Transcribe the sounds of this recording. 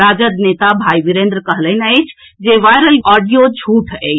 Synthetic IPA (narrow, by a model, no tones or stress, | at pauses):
ɾad͡ʒəd̪net̪abʱaiʋiɾẽnd̪ɾəkəɦlənəjt͡ʃʰ | d͡ʒeʋajɾəlɔɖijod͡ʒʱuʈʰe